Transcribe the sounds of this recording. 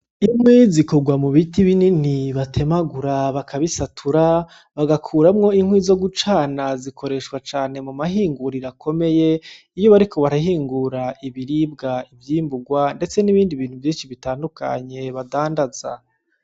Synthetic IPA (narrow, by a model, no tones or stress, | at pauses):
imwizikoɡwamuβitiβininiβatʰe̞maɡuɾaβakʰaβisatʰuɾa | βaɡakʰuːɾamŋo̞iŋhwizo̞ɡut͡ʃaːnazikʰo̞ɾe̞ʃkwat͡ʃaːne̞mumaɦiːŋɡuɾiɾakʰo̞me̞je̞ | ijo̞βaɾikʰo̞βaɾaɦiːŋɡuɾaʔiβiɾib̚ɡaivjiːmbuɡwande̞t͡se̞niβiːndiβiːn̥huvjiːnʃiβitaːndukʰa̰ɲe̞βadaːndaz̥a̰